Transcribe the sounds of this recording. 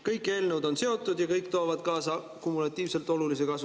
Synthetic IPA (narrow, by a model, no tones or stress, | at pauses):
kɤjkːˑe̞ːlnewd̪o̞nse̞o̞t̪ːˑud̪jɑkɤjkːt̪o̞ːvɑd̪̥kɑːsɑ | kumːulɑt̪ˑːiːvse̞lt̪ˑo̞lulis̬e̞kɑsu